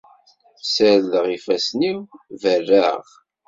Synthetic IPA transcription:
səɾðəʁifæsnimvərːæʁ

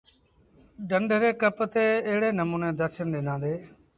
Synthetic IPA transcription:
ɖəɳɖʱɾeːkəpt̪eːəɦɪɽeːnəmũːnẽːd̪əɾʃənd̪ɪnãːnd̪eː

